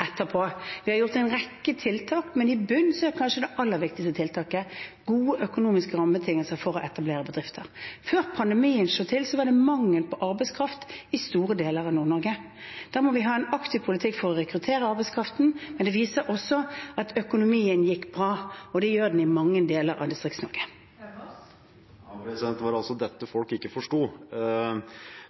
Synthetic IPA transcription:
ɛt̪ːəpʰɔʋɪhɑɾjʊʁt̪æɪnʁɛkːət̪ʰɪlt̪ʰɑːkmɛnɪbʉnːsɔæɾkʰɑnʃəd̪ɛʔɑlːəɾʋɪk̚t̪ɪkst̪ət̪ɪlt̪ʰɑːkəɡuːəʔœkʊnuːmɪskəɾɑmːət̪ʰɪŋəlsəfɔɾɔʔɛt̪ɑbleːɾəbəd̪ʁɪft̪ʰəɾføːɾpʰɑnd̪ɛmiːənʂoːt̪ʰɪlsɔʋɑʁd̪ɛmɑŋːəlpʰɔʔɑɾbɛɪskʰɾɑft̪ɪst̪uːɾəd̪eːləɾɑʋnuːʁnɔɾɡə | d̪̥æːɾmɔʋɪɦɑːɛnɑkt̪ʰɪʋpʰʊlɪt̪ʰɪkːfɔɾɔʁɛkɾʉt̪ʰeːɾəɑɾbɛɪskʰɾɑft̪n̩mɛnd̪ɛʋiːsəɾʔɔsːɔɑt̪ʰœkʊnʊmiːənjɪkːbɾɑːɔd̪ɛjøːʁd̪n̩ɪmɑŋːənd̪eːləɾɑ̰ʋd̪ɪst̪ʁɪkt̪snɔɾɡə | sɛnt̪ʋɑɾɑlsɔd̪ɛt̪ːəfɔlkɪkːəfɔʂʈuː

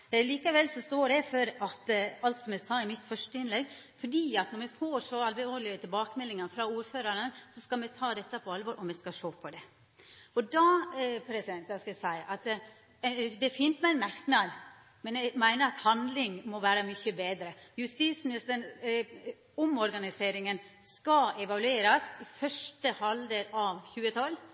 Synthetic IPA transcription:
liːkɑʋɛlsɔst̪oːɖɛɪfɔɾɑt̪ɑlt̪sɔmɛsɑːɪmɪt̪fœʂʈəɪnlɛɡfɔɖiːɑt̪nɔɾmɛfoːʂoːɑlbɛoːɾlɪət̪ʰɪlbɑːkəmɛlːɪŋɑnfɾɑuːɾføːɾəɾənsɔskɑlmɛt̪ʰɑːd̪ɛt̪ːəpʰɔɑlʋɔːɾʔɔmɛskɑʂoːpʰɔd̪ɛ | ɔd̪ɑpʰɾɛsɪd̪ɛnt̪d̪ɑskɑɛsæɪʔɑt̪ | d̪ɛfiːnt̪mæɪnmæɾknɑd̪ | mɛnɛɡmæɪnəɾɑt̪hɑnd̪lɪŋmɔʋæːɾəmʏçəbeːd̪ɾəjʉst̪iːsmɪnɪst̪ən | ɔmɔɾɡɑnɪseːɾɪŋən | skɑɛʋɑlʉeːɾɑsɪfœʂʈəhɑld̪əɾɑʋçʉːət̪ʰɔl

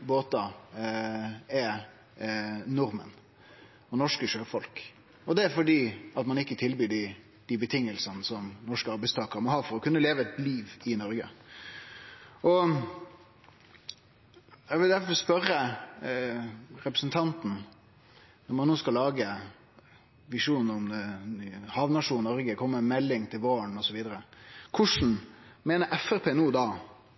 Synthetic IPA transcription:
boːt̪ɑ | ɛ | nʊɾmə̰n | ɔnɔʂkəʃøːfɔlk | ɔd̪ɛæɾfɔɖiːɑt̪mɑnɪkːət̪ʰɪlbyːɖɪ | d̪̥ɪbət̪ʰɪŋːəlsənəsɔmnɔʂkəɑɾbæɪst̪ɑːkəɾmɔhɑːɾfɔɾɔkʰʉnːəleːʋəɛt̪liːʋɪnɔɾɡə̰ | ʔɔ | jæʋɪld̪æɾfɔɾspœɾːə | ɾɛpɾəsən̩t̪ʰɑnt̪n̩ | nɔɾmɑnːoːskɑlːɑːɡə | ʋɪʂuːnɔm | hɑʋnɑʂuːnnɔɾɡəkʰɔmːəmɛlːɪŋt̪ʰɪlʋoːəɳɔsɔʋiːd̪əɾəkʰʊʂn̩meːnəɾʔɛfɛɾpʰeːnuːd̪ɑ

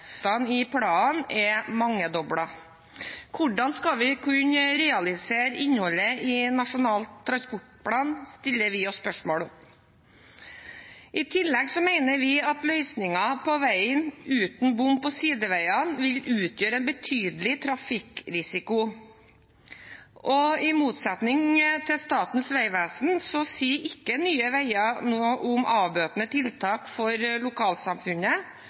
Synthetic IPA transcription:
t̪ɑnɪpʰɽɑːnɛmɑŋːəd̪ɔbɽɑ | kʰʊɖɑnskɑʋɪkʰʉɲəɾɛːɑlɪseːɾɪɲːhɔlːəɪnɑʂʊnɑːlt̪ʰːɾɑnspɔʈpʰɽɑːnst̪ɪlːəɾʋɪɔsspœʂmoːɽ | ʔɪt̪ʰɪlːɛɡsɔmæɪnəɾʋɪɑt̪lœʏsnɪŋɑpʰɔʋæɪənʉːt̪n̩bʊmpːɔsiːd̪əʋæɪɑnʋɪlʉːt̪ʰjøːɾɛnbət̪ʰyːd̪əlɪt̪ʰɾɑfɪkɾɪsɪkʊ | ʔɔɪmuːt̪sɛt̪nɪŋt̪ʰɪlst̪ɑːt̪n̩sʋæɪʋæːsnsɔsiːʔɪkːənyːəʋæɪɑnoːʔʊmʔɑːʋbøːt̪nət̪ʰɪlt̪ʰɑːkfɔɾlʊkʰɑːlsɑmfʉnə

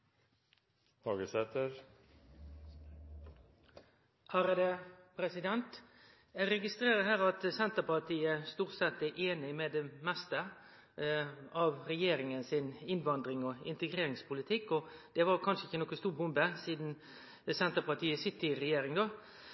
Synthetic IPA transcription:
hɑːɡəsɛt̪əɾ | ʔæɾəd̪epʰɾɛsɪd̪ɛnt̪ | jæɾɛɡɪst̪ɾeːɾəɦæːʁɑt̪sɛnt̪əpɑt̪ʰiːəst̪uːʁt̪sɛt̪ːæʔeːnɪmɛd̪ɛmɛst̪ə | ɑʋʁɛjeːɾɪŋənsɪnɪnʋɑnd̪ʁɪŋɔɪ̰nt̪əɡʁeːɾɪŋspʰʊlɪt̪ʰɪkːɔd̪̥ɛʋɑʁkʰɑnʂəɪçːənɔkːəst̪uːʁbʊmbəsiːd̪n̩ | sɛnt̪əpʰɑt̪ʰiːəsɪt̪ːɪɾɛjeːɾɪŋd̪oː

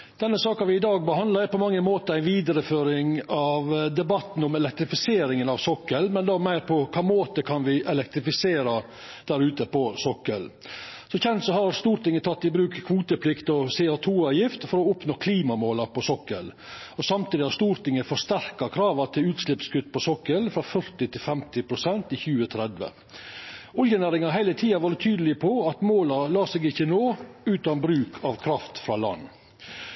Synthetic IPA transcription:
d̪̥ɛnːəsɑːkɑʋɪɪd̪ɑːɡ̚bəɦɑnd̪ɑɾæɾpʰɔmɑŋːəmoːt̪əæɪnʋiːd̪əɾəføːɾɪŋɑʋd̪ɛbɑt̪n̩ɔmɛlɛk̚t̪ɾɪfɪseːɾɪŋənɑʋsɔkːəlmɛnd̪omæɪɾpʰɔkʰɑːmoːt̪əkʰɑnʋɪʔɛlɛk̚t̪ɾɪfɪseːɾɑ | d̪̥æɾʉːt̪əpɔsɔkːəl | sɔçɛnt̪sɔhɑɾst̪uːɾt̪ɪŋːət̪ʰɑt̪ːɪbɾʉːkkʰʋuːt̪əpʰlɪkt̪ɔsɛɑt̪ʰuːɑjɪft̪fɔɾɔʊpnoːkʰliːmɑmoːlɑpɔsɔkəl | ɔsɑmt̪ʰiːd̪ɪhɑɾst̪uːɾt̪ɪŋːəfɔst̪æɾkɑkʰɾɑːʋɑt̪ʰɪʉːt̪slɪpskʉt̪ːpɔsɔkːəlfɾɑfœɾt̪ɪt̪ʰɪlfɛmt̪ɪpʰɾʊsɛnt̪ɪçʉːət̪ʰɾɛd̪ʋə̰ | ʊljənæːɾɪŋɑɦæɪlət̪ʰiːɑʋɑɾɖət̪ʰyːd̪əlɪəpʰɔɑt̪moːlɑlɑːsɛːɡɪçːənoːʉːt̪ɑnbɾʉːkʰɑʋkʰɾɑft̪fɾɑlɑ̰nː

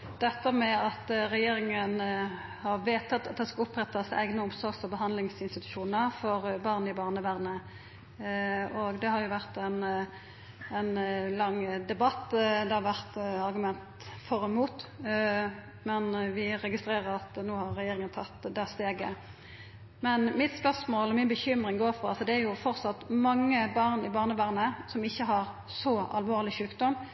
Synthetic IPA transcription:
d̪̥ɛt̪ːəmɛɑt̪ɾɛjeːɾɪŋən | hɑʁʋeːt̪ɑt̪ɑt̪̚d̪ɛskɑʊpɾɛt̪ːɑsæ̰ɪɡnəʊmsɔɾɡsɔbəɦɑnd̪lɪŋsɪnst̪ɪt̪ʉ̥ʃuːnəʁfɔʁbɑʁnəɪbɑʁnəʋæʁnə | ɔɡd̪ɛhɑɾjʊʋæʁt̪ɛn | ɛnlɑŋːd̪ɛbɑt̪ːd̪ɛhɑʁʋæʁt̪ɑɾɡʉmɛnt̪ | fɔɾɛmuːt̪ | mɛnʋɪɾɛɡɪst̪ɾeːʁəɾɑt̪noːhɑɾːɛjeːɾɪŋənt̪ʰɑt̪ːd̪eːst̪eːɡə | mɛnmɪt̪spœʁsmoːlɔmɪnbəçʏmɾɪŋɡoːɾfɔɾɑlsɔd̪ɛæɾjʊfɔʁsɑt̪mɑŋːəbɑʁnɪbɑːʁnəʋæʁnəsɔmɪçːəɦɑʁ | sɔɑ̰lʋoːʁlɪʃʉːkd̪ɔm

